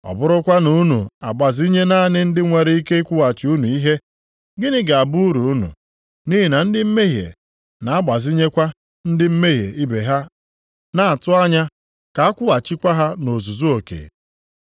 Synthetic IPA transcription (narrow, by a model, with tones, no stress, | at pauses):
ɔ̰˨bʊ˦ɾʊ˦kʷa˦nu˦nṵ˨a˨ɡ͡ba˨zi˦ɲe˦na˦˨nɪ˦n̩˦dɪ˦ŋʷe˨ɾi˦i˦ke˦kʷʊ˦a˨t͡ʃɪ˨˦u˦nu˨i˦ɦe˦ | ɡɪ˦nɪ˦ɡa˨a˨bu˦u˦ɾu˨u˦nṵ˨ | ni˦ɦi˨na˨n̩˦dɪ˦m̩˦me˦ɦjḛ˨ | na˨a˦ɡ͡ba˨zi˦ɲe˦kʷa˦ | n̩˦dɪ˦m̩˦me˦ɦjḛ˨i˦be˨ɦa˦ | na˨a˨tʊ˦a˦ɲa˦ | ka˨a˦kʷʊ˦a˨t͡ʃɪ˦kʷa˦ɦa˦no˨zu˨zu˦o˨kḛ˨